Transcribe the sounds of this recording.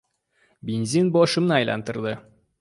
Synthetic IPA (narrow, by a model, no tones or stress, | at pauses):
bʲenzinbɒʃɤ̆mnɤɒjlˠɑ̰nt̪ɤ̆ɾd̪ɤ